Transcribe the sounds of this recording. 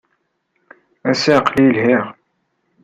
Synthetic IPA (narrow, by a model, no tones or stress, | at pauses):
æsæqlilhiʁ